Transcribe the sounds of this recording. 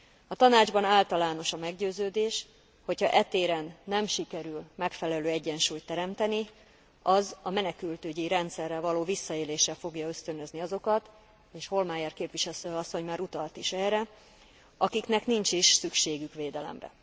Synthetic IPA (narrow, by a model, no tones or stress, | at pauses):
ɒt̪ɒnaːd͡ʒbɒnaːlt̪ɒlaːno̞ʃɒmɛɡɟøːzøːd̪eːʃ | ho̞chɒʔɛt̪eːɾɛnːɛmʃikɛɾylmɛkfɛlɛløːɛɟːɛnʃuːjt̪ːɛɾɛmt̪ɛni | ɒzɒmɛnɛkylt̪øːɟiɾɛnt̪sɛrːɛvɒloːvisːɒeːleːʃːɛfo̞ɡjɒø̞st̪ønøzniɒzo̞kɒt̪ | eːʃho̞lmaːjɛrkeːpʋiʃɛlsøɒsːoɲmaːɾut̪ɒlt̪iʃɛːrɛ | ɒkiknɛknint͡ʃiʃsykʃeːɡykʋeːd̪ɛlɛ̰mrɛ̰